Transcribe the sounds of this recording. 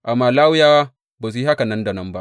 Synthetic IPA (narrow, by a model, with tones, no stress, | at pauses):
ʔa˨mːaː˨laː˦wʊ˦jaː˦waː˦ | ba˨s̬i˦ha˦ka˨nɐ˦nda˨nɐ˦mba˦ʔ